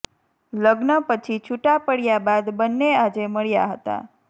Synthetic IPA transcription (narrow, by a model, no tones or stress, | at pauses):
ləɡnəpət͡ʃʰit͡ʃʰuʈapəɽjabad̪bənːead͡ʒeməɭja̰ɦət̪a̰